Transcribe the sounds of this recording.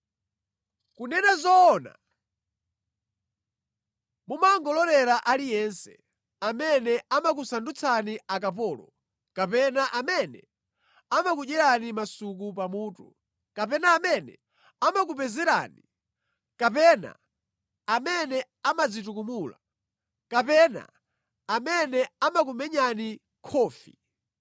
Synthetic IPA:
kunɛnazɔːna̰ | mumaŋɡɔlɔɾɛɾaʔalijɛnsɛ̥̰ | amɛnɛamak̬usandut͡sʰaniakap̬ɔːlɔ̰ | kapɛnaʔamɛnɛ̰ | amakuʄɛɾanimasuk̬up̬amuːtṵ | kap̬ɛnaːmɛnɛ | amakup̬ɛzɛɾa̰ːni | kapɛna̰ː | mɛnɛ | amad͡zit̬ukumula̰ | kapɛna̰ | amɛnɛamak̬umɛɲani | kʰɔːfḭ

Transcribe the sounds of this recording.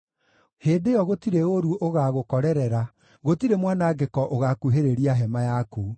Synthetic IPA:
heːdejɔɣotiɾeoɾuʔoɣaɣokɔɾɛɾɛɾa | ɣotiɾemwanaɡekɔʔoɣakuɦeɾeɾiaɦɛmajaku

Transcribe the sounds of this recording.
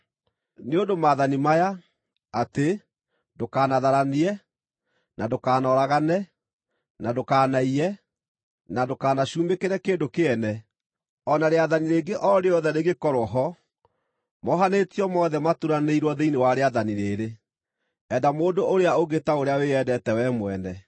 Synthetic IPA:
neondomaðanimaja | ate | dokaːnaðaɾaniɛ | nadokaːnɔɾaɣanɛ | nadokaːnaiɾɛ | nadokaːnaɕuːmekeɾɛkeːndokeɛnɛ | ɔnaɾeaðaniɾeːɡeʔɔɾeɔðɛɾeɣekɔɾɔɦɔ | mɔɦanetiɔmɔðɛmatuɾaneiɾwɔðeinewaɾeaðaniɾeɾe | ɛdamoːdooɾeaoɣetaoɾeaweɛdɛtɛwɛmwɛnɛ

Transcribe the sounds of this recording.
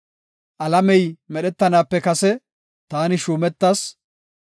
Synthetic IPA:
ʔɐlɐmɛjmɛɗɛt̪ːɐnaːpːɛkɐsɛ | t̪aːnɪʃuːmɛt̪ːas

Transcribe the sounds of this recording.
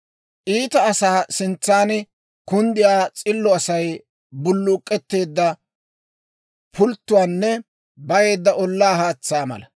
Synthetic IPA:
ʔiːt̪ɐːsaːsɪnt͡sːaːn | kʊnd̪ɪjaːt͡sʼɪlːɔɐsɐj | bʊlːʊkʼːɛt̪ːe̞ːd̪ːɐ | pʰʊlt̪ːʊwaːnːɛ | bɐje̞ːd̪ːɐʔɔlːaːɦaːt͡sːaːmɐ̰lɐ

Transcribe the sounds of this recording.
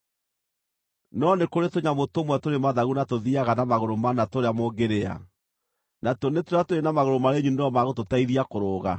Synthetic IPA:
nɔnekoɾetoɲamotomwɛtoɾemaðaɣunatoðiaɣanamaɣoɾomanatoɾeamoɡeɾea̰ | natɔnetoɾeatoɾenamaɣoɾomaɾeɲuneɔmaɣototaiðiakoɾoːɣa̰

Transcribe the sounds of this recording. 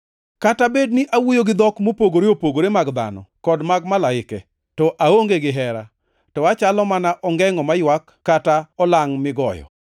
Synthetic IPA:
katabednɪʔawujoɡɪd̪ɔkmopoɡoɾeopoɡoɾemaɡd̪a̰nɔ̰kɔdmaɡmalaɪkɛ | tɔʔaoŋɡeɡɪɦɛɾa̰ | tɔat͡ʃalɔmanaʔɔŋɡɛŋɔmajwakːataɔlaŋmɪɡɔjɔ̰

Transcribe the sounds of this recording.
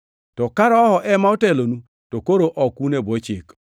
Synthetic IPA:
tɔkaɾɔɔhɔʔɛmaotɛlonu | tokoɾoʔɔkunebɔt͡ʃɪk

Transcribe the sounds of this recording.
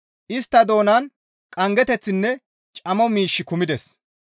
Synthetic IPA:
ʔɪst̪ːɐd̪o̞ːnɐn | kʼɐŋɡɛt̪ɛt͡sːɪnːɛ | t͡ʃʼɐmɔmiːʃːɪkʊmɪd̪ɛs

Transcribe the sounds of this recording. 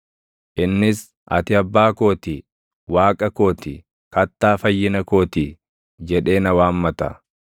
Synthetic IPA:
ʔɪnːɪs | ɐ̰t̪ɪɐbːaːko̞ːt̪i | waːkʼɐko̞ːt̪ɪ | kɐt̪ːaːfɐjːɪnɐko̞ːt̪i | d͡ʒɛᶑe̞ːnɐwaːmːɐt̪ɐ̰

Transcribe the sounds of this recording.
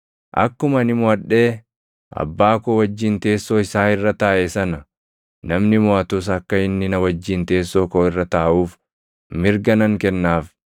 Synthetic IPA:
ʔɐ̰kːʊmɐnɪmʊɐᶑːe̞ː | ʔɐ̰bːaːkowɐd͡ʒːɪnt̪e̞ːsːoːɪsaːɪrːɐt̪aːʔɛsɐnɐ | nɐmnɪmɔɐt̪ʊs̬ɐkːɐɪnːɪnɐwɐd͡ʒːɪnt̪e̞ːsːoːkoːɪrːɐt̪aːʔuːf | mɪɾɡɐnɐŋkɛnːaːf

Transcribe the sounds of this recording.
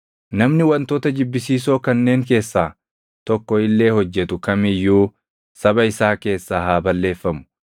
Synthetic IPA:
nɐmnɪwɐnt̪oːt̪ɐd͡ʒɪbːɪsiːs̬o̞ːkɐnːe̞ːŋke̞ːsːaː | t̪ɔkːɔɪlːe̞ːhɔd͡ʒːɛt̪ʊkɐmɪjːuː | sɐbɐɪsaːke̞ːsːaːhaːbɐlːe̞ːfːɐmʊ̥

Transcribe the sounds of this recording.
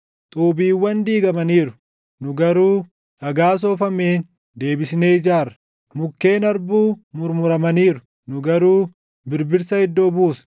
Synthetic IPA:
t̪ʼuːbiːwːɐnd̪iːɡɐmɐniːɾʊ̥ | nʊɡɐɾuː | ɐɡaːs̬oːfɐmeːn | d̪e̞ːbɪsne̞ːɪd͡ʒaːrɐ̥ | mʊkːe̞ːnɐɾbuːmʊɾmʊɾɐmɐniːɾʊ̥ | nʊɡɐɾuː | bɪɾbɪɾsɐhɪd̪ːoːbuːs

